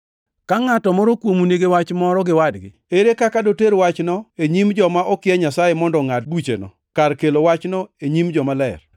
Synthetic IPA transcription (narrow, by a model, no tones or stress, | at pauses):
kaŋatɔmɔɾɔkwomuneɡewat͡ʃmɔɾɔɡɪwadɡɪ̰eɾekakadoteɾwat͡ʃnɔeɲimd͡ʒɔmaʔɔkɪɛɲasajemɔndɔŋat̚but͡ʃḛnɔ̰ | kaɾkelowat͡ʃnɔeɲimd͡ʒɔmalɛr